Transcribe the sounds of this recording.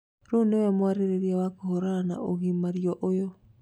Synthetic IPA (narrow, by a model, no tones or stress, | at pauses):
ɾonewɛmwaɾeɾeɾiawakohoɾana̰ʔoɣimaɾiɔʔojɔ